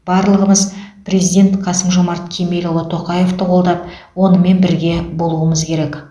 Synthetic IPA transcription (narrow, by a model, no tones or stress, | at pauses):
b̥ɑɾlˠəʁəməzprʲe̞zijd̪ʲe̞nt̪qʰɑsəmʒo̞mɑɾt̪kʲʰemelʲolˠət̪ʰo̞qɑje̞ft̪əqʰo̞lˠd̪ɑp̚wo̞nəme̞nbɪɾɡʲe̞bo̞lˠuwəməzkʲʰe̞ɾe̞k